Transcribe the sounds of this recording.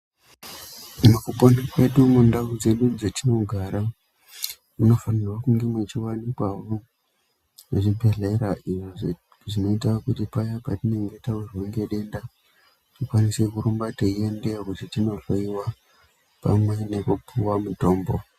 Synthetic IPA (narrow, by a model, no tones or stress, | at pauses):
mukuponikwe̞ɗumundaud͡ze̞ɗud͡zetino̞ɡʱaɾa | uno̞fanirwakuŋɡe̞mwet͡ʃiwanikwaʋo | nuʐipe̞ɮe̞ɾaʔiʐo | ʐino̞itakutipajapatine̞ŋɡe̞tawirweŋɡe̞ɗe̞nda | tikwanisekuɾumbateiendekutitino̞faiwa | pa̰mwe̞ne̞kupʰuwamuto̞ːmbo̞